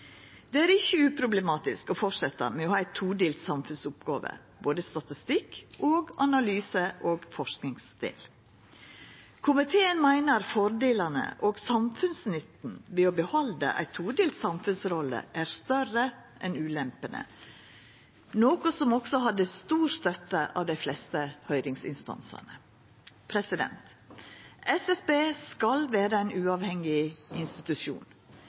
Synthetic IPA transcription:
d̪ɛæːɾɪçːəʉːpʰɾʊbləmɑːt̪ɪskɔfɔʂɛt̪ːə̰mɛnohɑːæɪt̪ʰuːɖ̪eːlt̪sɑmfʉnsʊpɡɑ̰ːʋə̰ | boːd̪əst̪ɑt̪ɪst̪ɪkːoːɡɑnɑlyːsəʔoːɡfɔʂknɪŋsd̪̥ḛːl | kʰʊmɪt̪ʰeːənmæɪnəɾfɔɾd̪eːlɑnə̰ʔoːɡsɑmfʉnsnʏt̪n̩ʋeːɔbəhɔld̪ə̰ʔæ̰ɪt̪ʰuːd̪eːlt̪sɑmfʉnsɾɔlːə̰ʔæɾst̪œrəʔɛnʉːlɛmpənə̰ | noːkʊsɔmɔɡ̥sɔɦɑd̪ːəst̪uːɾst̪œt̪əʔɑ̰ːʋd̪æɪflɛst̪əhœʏɾɪŋsɪ̰nst̪ɑ̰nsɑ̰nə | pʰɾɛsɪd̪ɛ̰nt̪ | ʔɛsɛsbeːskɑlʋæːɾəæɪnʉːɑːʋhɛŋɪɪnst̪ɪt̪ʉʃjṵːn

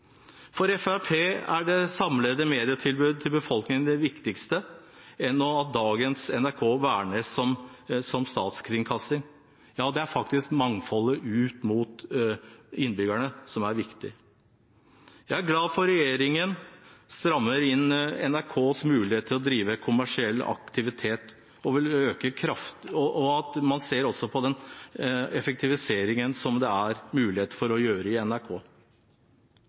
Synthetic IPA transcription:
fɔɾɛfæɾpʰeːæɖɛsɑmled̪əmeːd̪ɪət̪ʰɪlbʉːd̪̚t̪ʰɪlbəfɔlknɪŋənd̪ɛʋɪkt̪ɪkst̪ə | ɛnɔɑt̪̚d̪ɑːɡənsɛnæɾkʰoːʋæːɳəsɔmsɔmst̪ɑ̰ːt̪skʰɾɪŋkʰɑsɪŋ | jɑːd̪ɛæɾfɑkt̪ɪskmɑŋfɔlːəʔʉːt̪muːt̪ | ɪnːbʏɡæɳəsɔmæɾʋɪkt̪ɪ | jæɪæɾɡlɑːd̪fɔɾɛjeːɾɪŋənst̪ɾɑmːəɾɪnɛ̰næɾkʰoːsmʉːlɪeːt̪ʰːɪlɔd̪ɾiːʋəkʰʊmæʂɪɛlːɑ̰kt̪ʰɪʋɪt̪ʰeːt̪ | ɔʋɪløːkəkʰɾɑft̪ɔʔɔɑt̪mɑnseːɾɔsɔpʰɔd̪ɛn | ɛfɛk̚t̪ʰɪʋɪseːɾɪŋənsɔmd̪ɛæɾmʉːlɪeːt̪əfɔɾɔjøːɾəɪɛnæɾkʰoː

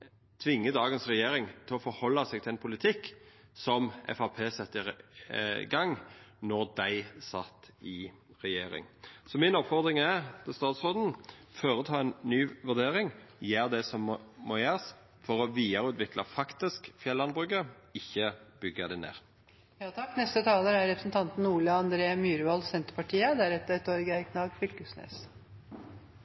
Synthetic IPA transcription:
t̪ʰʋɪŋːəd̪ɑːɡənsʁɛjeːɾɪŋt̪ʰɪlɔfɔɾhɔlːɑsɛːɡ̚t̪ʰɛɛnpʰʊlɪt̪ʰɪkːsɔmɛ̰fɑpʰeːsɛt̪ːəɪ | ɡɑŋnɔʁd̪æɪsɑt̪ːɪ | ʁɛjeːɾɪ̰ŋsɔmɪnɔpfɔʁd̪ʁɪŋɛt̪ʰɪst̪ɑːt̪sʁoːd̪n̩fɔːɾət̪ʰɑːɛnnyːʋʉʁd̪eːɾɪŋjæːʁd̪ɛsɔmːoːjæːʁəs | fɔʁɔʋiːəʁəʉːt̪ʰʋɪklɑfɑkt̪ɪskfjɛlːɑnbʁʉkːə | ɪçːəb̥ʏɡəd̪æɪnḛːʁ | jɑːt̪ʰɑkːnɛst̪ət̪ʰɑːləɾæɾɾɛpɾəsnt̪ʰɑnt̪n̩uːɭəɑnd̪ɾeːmyːɾʋɑlsɛnt̪əɾpɑʈʰiːəd̪æɾɛt̪ːɛt̪ɔɾɡəæɾkʰnɑːɡfʏlkʉsnḛːs

